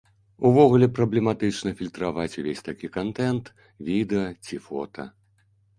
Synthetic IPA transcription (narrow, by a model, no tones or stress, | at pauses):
uvɔɣulʲɛpɾɐblʲɛmat̪ɨt͡ʂnɐfʲilʲt̪ɾavat͡sʲuvʲesʲt̪akʲikant̪ɛnt̪ | vʲid̪ɛɐt͡sʲifɔ̰t̪ʰɐ̰